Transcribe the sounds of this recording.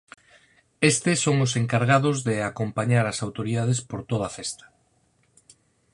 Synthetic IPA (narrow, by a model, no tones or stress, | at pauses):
est̪ɪsːoŋʊseŋkaɾɣaðʊzðeakompaɲaɾasawt̪oɾiðað̞espoɾt̪oð̞afest̪ḁ